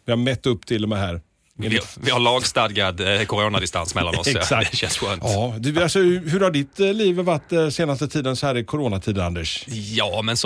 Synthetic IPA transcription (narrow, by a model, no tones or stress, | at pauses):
vɪhaɾmɛt̪ːɵpːt̪ʰɪlːɔmɛɦæːɾ | vɪhaɭɑːɡst̪ad̪ɡad̪kʰʊɾoːnad̪ɪst̪a̰nsmɛlːanɔsɛsakʃɛnsɧœːntɑːd̪ɵalsɔɦɵɾhaɖɪt̪liːvvaʈːseːnast̪ət̪ʰiːd̪ənsɔhæːɾɪkʰʊɾoːnat̪ʰiːd̪and̪ɛʂjɑːmɛns